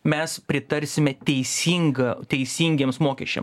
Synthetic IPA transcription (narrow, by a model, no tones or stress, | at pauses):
mʲɛspʲɾʲɪt̪ɐɾʲsʲɪmʲɛt̪ʲɛɪsʲiːŋɡɐt̪ʲɛɪsʲiːŋʲɡʲeːmsmoːkʲɛʃʲɛ̰m